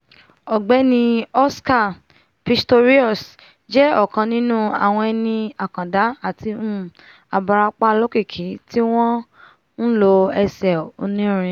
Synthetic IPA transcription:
ɔ˨ɡ͡bɛ˨˦nĩ˧ɔ˦ska˦˨ | pi˦sto˧ɾi˦ɔ˦˨s | d͡ʒɛ˦ɔ˦˨kã˧nĩ˦nũ˦a̰˨w̃ɔ̃˧ɛ˧nĩ˧a˨kã˨da˨˦a˦˨ti˧m̩̃˦ | a˧ba˧ɾa˧k͡pa˦˧lo˦ke˦˨kʰi˨˦ti˦w̃ɔ̃˦ | n̩˦lo˧ɛ˧sɛ˨o˧nĩ˦ɾ̃ĩ˧˦

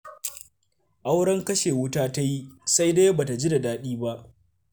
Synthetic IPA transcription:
ʔa˦wɽɐ˦ŋkɐ˦ʃeː˨wʊ˦taː˦ta˦ji˦sa˦jdeː˦baː˨ta˨d͡ʒi˦da˨daː˦ɗiː˦ba˦ʔ

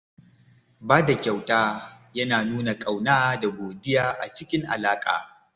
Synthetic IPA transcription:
baː˦da˨kʲa˨wtaː˦ | jɐ˦naː˨nuː˦na˨kʼa˨wnaː˦da˨ɡʷoː˨dɪ˦jaː˦ʔa̰˨t͡ʃɪ˦kʲɪ˦ŋʔa̰˨laː˦kʼa̰ː˨

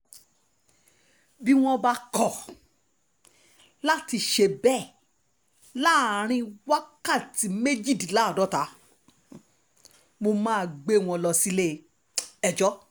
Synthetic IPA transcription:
bi˦w̃ɔ̃˦ba˧kɔ˨ | la˦ti˧ʃe˧bɛ˦˨ | la˦˨ɾ̃ĩ˧wa˦ka˦˨ti˧me˦d͡ʒi˦˨di˨la˨˦˨dɔ˨˦ta˧˦ | mo˧mãː˦˨ɡ͡be˦w̃ɔ̃˧lɔ˧si˧le˦˧ | ɛ˧d͡ʒɔ˦

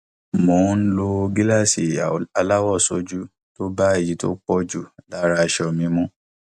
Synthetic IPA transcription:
mo˨˦n̩˦lo˧ɡi˦la˦˨si˨a˧la˦wɔ˦˨so˨˧d͡ʒu˦ | to˦ba˦e˨ji˨˦to̰˦k͡pɔ˦d͡ʒu˦˨la˦ɾa˧ʃɔ˧˨mĩ˧˦mɔ̃˦

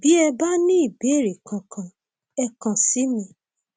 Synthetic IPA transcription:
bi˦ɛ˧ba˦nĩ˦i˦˨be˨˦˨ɾe˨kʰã˨kʰã˨ | ɛ˧kã˨si˨˦mĩ˦˨

